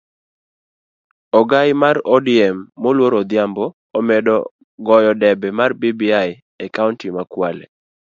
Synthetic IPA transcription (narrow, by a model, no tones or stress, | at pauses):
ɔɡajmarɔdiɛmːolwoɾɔd̪jambɔːmɛdɔ | ɡɔjɔdɛbɛmarbibiaj | ɛkaʊntimakwalɛ̰